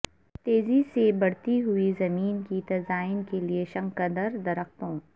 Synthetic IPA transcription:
t̪eːzisebɐɽ̤t̪iɦʊizɐmiːnkit̪ɐzaːɪnkelieʃɐ̃ŋkɐd̪əɾd̪ɐɾəxt̪õː

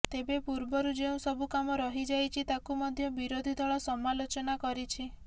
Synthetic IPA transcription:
t̪ebepuɾbɔɾud͡ʒeũsɔbukamɔɾɔɦid͡ʒajt͡ʃʰit̪akumɔd̪ʱjɔbiɾod̪ʱid̪ʱɔɭɔsɔmalot͡ʃɔnakɔɾit͡ʃʰi

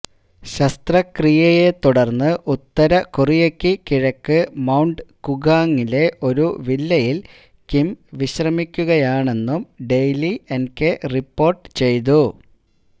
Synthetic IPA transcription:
ɕɐst̪rɐkrijɐje̞t̪uɽɐrnːɨʔut̪ːɐɾɐkurijekːɨkiɻɐkːɨmɐwɳɖɨkuɡaːŋːile̞ʔo̞ɾuʋilːɐjil | kimʋiɕrɐmikʲːuɣɐjaːɳe̞nːumɖe̞jlienkeripːo̞ːrʈɨt͡ɕe̞jt̪̬u

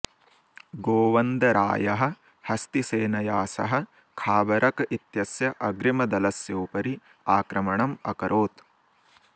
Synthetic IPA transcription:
ɡoːʋɐnd̪ɐɾa̰ːjɐɦɐ̆ | hɐst̪iseːnɐjaːsɐ̰ɦɐ̆ | kʰaːbɐɾʔɐkɐit̪jɐsjɐʔɐɡɾimɐd̪ɐlɐsjɐːpɐɾi | aːkɾɐmɐɳɐmɐ̰kɐɾʔoːt̪

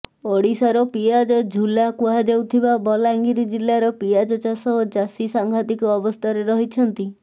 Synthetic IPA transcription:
oɽisaɾɔpiad͡ʒɔd͡ʒʱulakuɦad͡ʒewt̪ʰibabɔlaŋɡiɾid͡ʒilːaɾɔpiad͡ʒɔt͡ʃasɔɦɔd͡ʒasisaŋɡʱat̪ikɔɔbɔst̪ʰaɾeɾɔɦit͡ʃʰɔnt̪i

